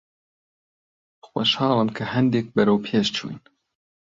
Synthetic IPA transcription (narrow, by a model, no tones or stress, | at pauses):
xʷoʃhɑːlɨmkʰɐhɛnd̪eːk̚bɨɾɐwpʰeːʃt͡ʃʰṵːin